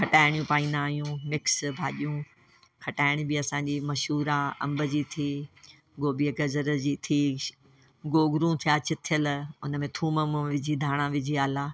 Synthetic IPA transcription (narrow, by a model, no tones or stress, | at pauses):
kʰɐʈaːɪɽ̃jũpaːĩːnaːɦjũːmɪksbʱaːʄijũ | kʰɐʈaːɪɽ̃ɪbiɐsãːɲd͡ʑiːmɐʃuːɾaɐ̰̃mbəd͡ʑiːt̪ʰiː | ɡoːbiəɡɐzəɾd͡ʑiːt̪ʰiː | ɡoːɡɾũt̪ʰijaːt͡ɕɪt̪ʰijəlʊnə̆mẽt̪ʰuːməmʋɪd͡ʑʱid̪ʱaːɽ̃ãʋɪd͡ʑʱiaːlaː